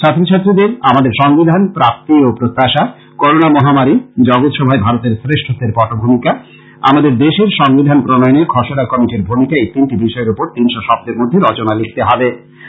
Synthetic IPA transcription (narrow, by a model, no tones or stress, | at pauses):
t͡ɕʰat̪ːɾot͡ɕʰat̪ːɾid̪eɾamad̪eɾʃɔŋbid̪ʱanpɾap̚t̪iopɾot̪ːaʃa | koɾonamɔɦamaɾid͡ʑɔɡot̪ʃɔbʱaebʱaɾot̪eɾsɾeʃʈʰot̪eɾpɔʈobʱumika | a̰mad̪eɾd̪eʃeɾʃɔŋbid̪ʱanpɾonɔjoneɡʰʱɔʃonakɔmiʈiɾbʱumikaet̪inʈibiʃɔeɾupoɾt̪inʃoʃɔb̚t̪eɾmod̪ʱːeɾɔt͡ɕonalikʰt̪eɦɔbe